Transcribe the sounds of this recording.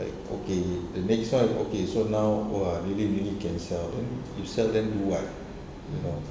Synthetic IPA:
la̰ɪk̚o̰kedənɛkstwão̰kesonawoaɹiliɹilikɛ̃nsɛldɛ̃njusɛldɛ̃nduwat̚ | juno

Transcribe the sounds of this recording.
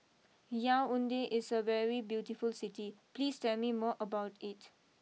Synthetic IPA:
jaʊʊ̃ndeʔɪsəʋɛɹibjuːʈifʊlsɪtipliːstɛlmimɔːʔəbaʊʈʰɪt

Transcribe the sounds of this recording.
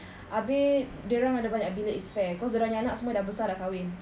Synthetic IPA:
ʔabɪ | dəɾaŋadabaɲaʔbileʔispɛkɔsdəɾaɲanaʔsəmuadabəsardahkawɪn

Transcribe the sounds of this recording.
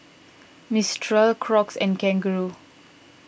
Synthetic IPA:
mistʰɹəlkʰɹɔksɛ̰̃nkɛ̃ŋɡəɹu

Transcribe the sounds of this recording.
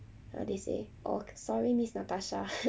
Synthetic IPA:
a̰desḛʔo̰ksɔɹimisnataʃa

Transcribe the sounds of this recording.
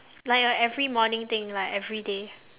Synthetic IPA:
laɪkɛvɹimɔnɪ̃ŋt̪ɪ̃ŋlaɪkɛvɹide

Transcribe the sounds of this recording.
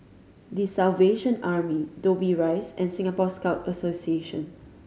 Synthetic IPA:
disalveʃə̃naɹmidobiɹaɪsɛ̃nsɪ̃ŋapɔskaʊtəsosieʃə̰̃n

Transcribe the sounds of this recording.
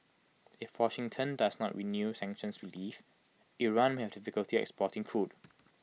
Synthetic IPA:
ɪfwɔʃɪ̃ŋtʰə̃ndasnɔ̰ʔɹinjusɛ̃ŋkʃə̃nsɹilif | ʔiɹãnmehɛvdɪfɪkəltiɔɛ̰kspɔtɪ̃ŋkʰɹud

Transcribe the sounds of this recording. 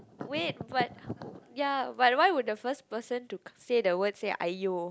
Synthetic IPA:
wet̚bat̚jabat̚wajwud̚dəfəspəsə̃ntusedəwədseʔa̰jo

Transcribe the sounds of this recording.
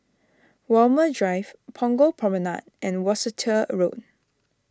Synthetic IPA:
walmədɹaɪvpʰɔ̃ŋɡopʰɹɔməna̰d̚ʔɛ̃nwɔsətʰəɹot̚

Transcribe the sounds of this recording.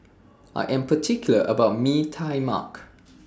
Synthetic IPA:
ʔa̰jʔɛ̃mpʰətʰikjuləʔəbaʊt̚mitʰajma̰k

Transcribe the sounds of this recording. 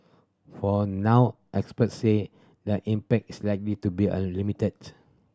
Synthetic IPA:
fɔnawʔɛkspətse | dəʔĩmpɛk̚tislajk̚litubiã̰nlimitəd

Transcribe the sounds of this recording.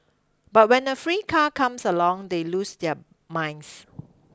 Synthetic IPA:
bat̚wɛ̃nəfɹiːkʰakʰãmsəlɔ̃ŋdelusdɛə | mãj̃ns

